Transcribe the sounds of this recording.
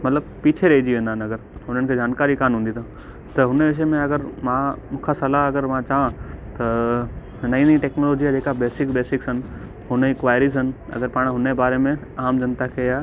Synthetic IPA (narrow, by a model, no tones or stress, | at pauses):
mɐt̪ləb̚piːt͡ɕʰeɾɐɦid͡ʑiʋẽːnd̪aɦɪnɐɡəɾʊn̤ənɪ̆kʰeːd͡ʑaːnkaːɾikaːnɦũnd̪it̪ʰa | t̪ɐɦʊneʋɪʃ̬əmẽɐɡəɾmãmũːkʰasɐlaɐɡəɾmãt͡ɕaãt̪ɐ | nɐĩniʈeːknoːloːd͡ʑiad͡ʑeːkabeːsɪkbeːsɪksɐnɪ̆ | ɦʊnəɪkʋaːjɾis̬ənɪ̆ɐ̰ɡəɾpaːɽ̃ɦʊnebaːɾemẽaːmd͡ʑɐnt̪akʰeaː